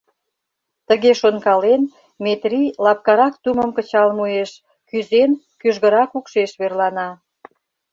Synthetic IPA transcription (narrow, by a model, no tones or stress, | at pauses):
t̪əɣeʃonkɑlen | met̪rilɑp̚kɑɾɑkt̪uməmkət͡ɕɑlmueʃ | kyzen | kyʒɣəɾɑkukʃeʃβerlɑnɑ